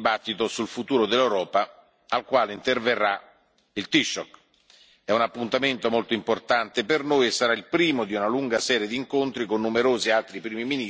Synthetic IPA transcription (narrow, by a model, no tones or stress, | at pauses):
bat̪ːit̪osulfut̪uːɾod̪elːewɾɔːpa | alkwaːleint̪erverːa | ilt̪iʃːɔk | ɛunapːunt̪ament̪omolt̪oimport̪ant̪epernojesːaɾailpɾiːmod̪iunaluŋɡasɛːɾjed̪iːŋkont̪ɾikonːumeɾoːzialt̪ɾipɾiːmimini